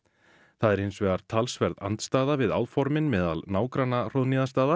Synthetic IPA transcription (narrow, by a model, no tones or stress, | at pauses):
θaðɛɾejnsvɛɣaɾ̥t̪ʰalsvɛɾða̰nt̪st̪aːðavɪða̰wðfɔɾmɪnmɛːða̰lnaːwkɾanar̥owðniðast̪aːða